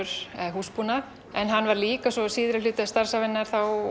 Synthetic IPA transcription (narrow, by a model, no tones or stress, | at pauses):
ɾ̥ɛðhuːspunaɾ | ɛnɦanːvaɾliːkasɔsiːðɾalʏːt̪ɪast̪ar̥savɛnːaɾ̥θaw